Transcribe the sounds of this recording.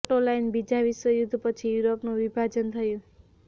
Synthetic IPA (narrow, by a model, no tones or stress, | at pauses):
ʈolajnbid͡zabiswʌjud̪ʱpʌt͡sʰijuɾopnobibʱad͡zʌnt̪ʰʌjo